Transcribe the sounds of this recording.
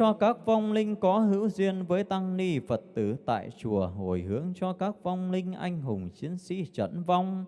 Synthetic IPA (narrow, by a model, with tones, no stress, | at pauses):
t͡ɕɔ˧kaː˦˥k̚va˧wŋ͡mlï˧ŋ̟kɔ˨˦ɦɨ̰˧˥wzi˧ənvəː˨˦jt̪a˧ŋni˧fə˨˩t̚t̪ɨ˧˩t̪a̰ː˧˨jt͡ɕu˨˩əɦo˨˩jɦɨ˨˦əŋt͡ɕɔ˧kaː˦˥k̚va˧wŋ͡mlï˧ŋ̟ʔa˧jŋ̟ɦʊ˨˩ŋ͡mt͡ɕi˨˦ənsḭ˧˥t͡ɕə̰˧˥nva˧wŋ͡m